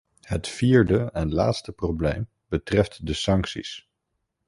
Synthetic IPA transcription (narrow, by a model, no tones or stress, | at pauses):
hətfiːɹdəɛnla̰ːtstəprowblejm | bətrɛftdəsɑŋksḭs